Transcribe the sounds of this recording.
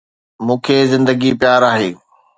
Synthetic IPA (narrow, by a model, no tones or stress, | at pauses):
mũːkʰeːzɪ̃nd̪əɡipjaːɾaːɦeː